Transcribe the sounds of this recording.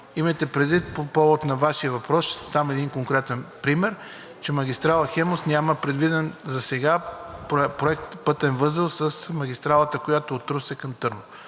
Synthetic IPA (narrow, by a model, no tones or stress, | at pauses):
imɐjt̪ɛpɾɛd̪vit̪̚popɔvot̪nɐvaʃiəvɐpɾɔst̪amɛd̪inkoŋkɾɛt̪ɛnpɾimɛɾ | t͡ʃɛmɐɡʲist̪ɾalˠɐxɛmosnʲaməpɾɛd̪vid̪ɛnzɐsɛɡappɾoɛk̚t̪pɤt̪ɛnvɤzəlˠsɐsmɐɡʲist̪ɾalˠət̪əkojat̪oot̪ɾosɛkɐmt̪ɤɾno